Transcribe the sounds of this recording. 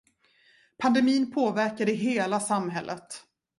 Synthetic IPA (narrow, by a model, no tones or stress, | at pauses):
pʰand̪ɛmiːnpʰoːvæɾkad̪əɪɦeːlasamːɦɛlːʔə̰t̪